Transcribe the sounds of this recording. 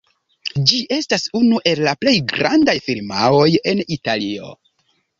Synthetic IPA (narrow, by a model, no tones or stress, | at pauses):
d͡ʒiʔe̞stasunuʔe̞lːaple̞jɡɾandajfiɾmao̞je̞nitalio̞̰